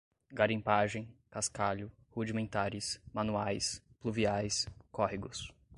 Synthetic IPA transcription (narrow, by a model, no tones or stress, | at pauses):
ɡaɾĩpaʒẽj̃kaskaʎʊ | hud͡ʒimẽnt̪aɾɪsmanuajs | pluviajskɔɦiɡʊs